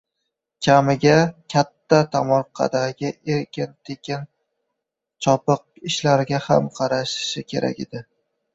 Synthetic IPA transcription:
kʲʰamɪɡʲakʲʰat̪ːat̪ʰamɒɾqʰːɑ̰d̪aɡʲɪʔe̞ɾkʲʰɪnt̪ʰekʲɪn | t͡ʃʰɒpɨq̚ɪʃlaɾɪɡʲahamqʰɑɾaʃɪ̥ʃɪkʲʰe̞ɾʔa̰kʲɪ̰d̪ɪ

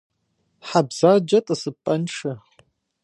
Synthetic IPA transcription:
ħabz̥ad͡ʒɐtʼɐsɨpʼːɐnʂʰɐ

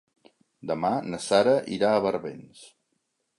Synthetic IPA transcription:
d̪əmanəsaɾəʔiɾaːβəɾβens

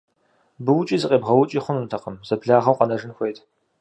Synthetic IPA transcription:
bɨwʊt͡ʃʼiːzɨqʼeːbʁɐwʊt͡ʃʼiːχʷʊnuntʰɐqəmzɐpʰɮaːʁɐwqɐnɐʒɨnxʷejtʰ

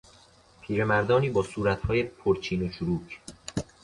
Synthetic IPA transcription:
pʰiːɾemæɾd̪ɒːniːbɒːsuːɾæt̪hɒːjepʰoɾt͡ʃʰiːnoʃuɾuːcʰ

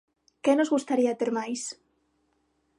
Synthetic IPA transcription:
kenozɣust̪aɾiat̪eɾmajs

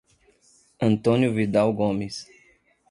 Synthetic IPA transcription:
ɐ̃nt̪õnjuvid̪awɡomis

